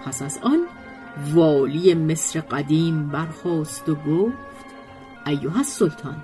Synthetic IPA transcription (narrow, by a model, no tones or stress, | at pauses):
pʰæsæzɒn | vɒːlijeme̞sɾeɢæd̪iːmbæɾxɒːst̪oɡoːft̪ | ʔæjːoɦæsːolt̪ʰɒːn